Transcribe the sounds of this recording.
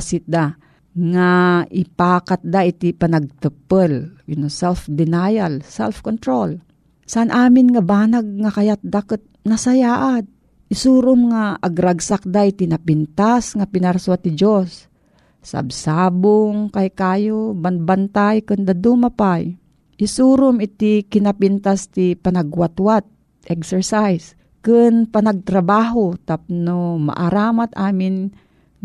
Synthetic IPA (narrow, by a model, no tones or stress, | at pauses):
sɪt̪̚d̪a | ŋaʔɪpaːkat̪̚d̪aʔit̪ipanaɡ̚t̪ɨpəljʊnosɛlfd̪ɪnajalsɛ̰lfkont̪ɾol | saʔanʔaːmɪnŋabaːnaɡ̚ŋakajat̪̚d̪akət̪̚nasajaːʔad̪̚ | ʔɪsuɾʊmŋaʔːɡɾaɡsak̚d̪aʔit̪inapɪnt̪asŋapɪnaɾsuat̪̚nɪd͡ʒosː | a̰bsaːbʊŋkajkaːjobanbant̪ajkɨnd̪ad̪umapaj | ʔɪsuɾʊmɪt̪ɪkɪnapɪnt̪ast̪ɪpanaɡwat̪wat̪̚ | ʔɛksɛɹsajs | kɨnpanaɡ̚t̪ɾabaːɦot̪ap̚noma̰ʔaɾaːmat̪ʔaːmɪn